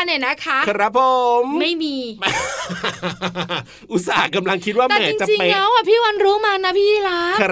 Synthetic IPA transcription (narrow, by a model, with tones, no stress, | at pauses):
naː˧˨˩na˦˥kʰa˦˥kɾa˦˥pʰːo˨mma˥˩jmiː˧ | ʔu˨˦˩saː˨˦˩kːa˧mla˧ŋkʰi˦˥t̪̚wa˥˩m˧ɛː˨˦i˧ŋt͡ɕa˨˩t͡ɕi˧pe˧lɛː˦˥wa˨˧˩pʰiː˥˩wa˧nɾuː˦˥maː˧na˦˥pʰiː˥˧˩laː˦˥